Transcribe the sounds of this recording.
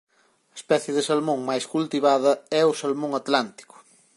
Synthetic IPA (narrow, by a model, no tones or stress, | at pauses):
ɐespɛθjeðɪsalmõŋmajskult̪iβaðɐɛʊsalmõŋat̪lant̪i̥kʊ̥